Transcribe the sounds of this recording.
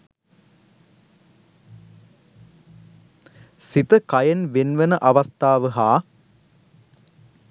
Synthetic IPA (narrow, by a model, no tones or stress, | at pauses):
sit̪ɐkɐjɐnʋenʋɐnɐʔɐʋɐst̪aːʋɨɦaː